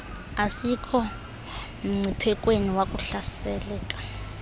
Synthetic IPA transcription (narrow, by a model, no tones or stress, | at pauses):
asikʰɔ | m̩ŋ͡ǀʱipʰɛkʼweniwakʼuɬasɛlɛːkʼḁ